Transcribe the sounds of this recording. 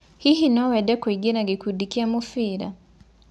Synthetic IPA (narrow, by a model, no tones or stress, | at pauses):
hihinawɛɗɛkɔiɡinaɡikuɗikiamufiɾa̰